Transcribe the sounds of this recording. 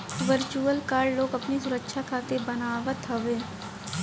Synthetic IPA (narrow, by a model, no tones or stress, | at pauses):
ʋəɾt͡ʃuəlkaːɾɖloːɡɐpnisʊɾəkʃʰakʰaːt̪ebɐnaːʋət̪ɦɐʋeː